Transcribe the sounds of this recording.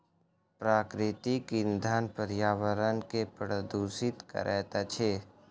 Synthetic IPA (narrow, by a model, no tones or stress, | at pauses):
pɾaːkɾɪt̪ikɪnd̪ʱaːnpəɾjaːʋəɾənkepɾəd̪uːsɪt̪kə̰ɾʔɛːt̪at͡ʃʰeː